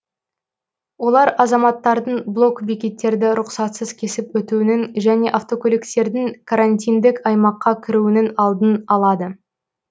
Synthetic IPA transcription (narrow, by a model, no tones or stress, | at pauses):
wo̞lˠɑɾɑzɑmɑt̪ːɑɾd̪əɴblˠo̞kbikʲe̞t̪ːe̞ɾd̪ɪɾʊqsɑt̪səz̥kʲʰe̞sɪpwɵt̪uɪnɪŋʒæne̞ʔaft̪o̞kʰolʲikst̪e̞ɾd̪ɪŋkʰaɾanʲt̪ʲijnd̪ɪkɑjmɑqːɑkʲʰɪɾuwɪnɪnɑlˠd̪ənɑlˠɑd̪ə